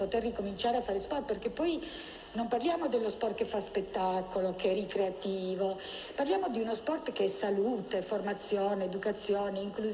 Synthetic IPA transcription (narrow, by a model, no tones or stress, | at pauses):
pot̪erikomint͡ʃaːɾeafːaːɾespɔrt̪̚perkepːɔj | nomparljaːmod̪elːospɔrt̪̚kefːaspet̪ːakolokeɛrikɾeat̪iːvo | parljaːmod̪iunospɔrt̪keɛsaluːt̪eformat̪sːjoːneːd̪ukat̪sːjoːneiŋklu